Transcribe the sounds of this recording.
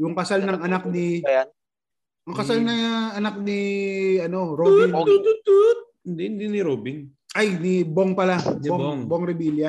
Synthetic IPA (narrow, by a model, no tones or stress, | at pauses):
jʊŋkɐsalnɐŋɐnak̚nɪ | ʔɐŋkɐsalnɐŋʔɐnak̚nɪɐno̞ɾobɪŋ̚ | ɪnd̪ihɪnd̪inɪɾoːbɪn | ʔajnɪboŋpɐlaboŋboŋɾɪbiljɐ